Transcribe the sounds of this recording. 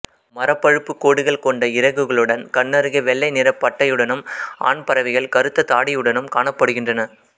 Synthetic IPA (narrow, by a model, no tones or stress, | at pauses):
mɐɾɐpːɐɻɯpːɯkːoːɽɯɣɐɭkɔɳɖɐɪɾɐɣɯɣɐɭɯɽɐnkɐɳːɐɾɯɣɐʋɛɭːɐɪnɪɾɐpːɐʈːɐjɯɽɐnɯmʔa̰ːɳpɐɾɐʋɪɣɐɭkɐɾɯt̪ːɐt̪aːɽɪjɯɽɐnɯmkaːɳɐpːɐɽɯɣɪndrɐnɐ